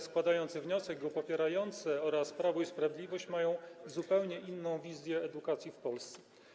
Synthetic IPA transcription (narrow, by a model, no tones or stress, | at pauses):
skwad̪ajɔnt̪sɘvɲɔsɛɡɡɔpɔpʲjɛɾajɔnt̪sɛɔɾaspɾavuispɾavʲjd̪lʲivɔɕt͡ɕmajɔ̃w̃zupɛwɲɛʔinːɔ̃w̃vʲizʲjɛːd̪ukat̪sʲjifpɔlst̪sɛ̥